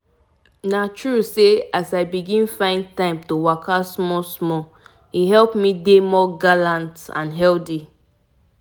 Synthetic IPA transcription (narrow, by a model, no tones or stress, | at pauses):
natʰɹuseasaɪbiɡĩnfãɪ̃ndtãɪ̃mtowakʰasmɔsmɔ | iɦɛlpmidemɔɡalãntã̰nɦɛldi